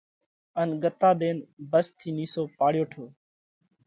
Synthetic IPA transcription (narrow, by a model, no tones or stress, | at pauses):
ənɡət̪aːɗ̪eːnbəst̪ʰiːniːsoːpaːɽjoːʈʰoː